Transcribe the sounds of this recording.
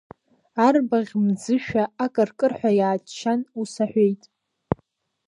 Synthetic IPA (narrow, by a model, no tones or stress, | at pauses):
arbaʁʲmd͡zɨʃᶣaakʼɨrkʼɨrħʷᶣajaːtʼt͡ʃʰːanusaħʷᶣejtʼ